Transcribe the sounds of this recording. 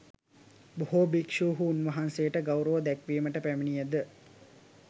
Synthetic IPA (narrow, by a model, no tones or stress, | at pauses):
boɦobikʂuːɦuunʋɐɦansejəʈəɡawɾəʋəd̪ækʋiːməʈəpæmenijæd̪ə